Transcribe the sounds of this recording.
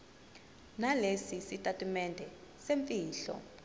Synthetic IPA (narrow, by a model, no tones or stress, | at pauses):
nalesisitʼatʼumɛndʱɛ | seɱfiːɬɔ̰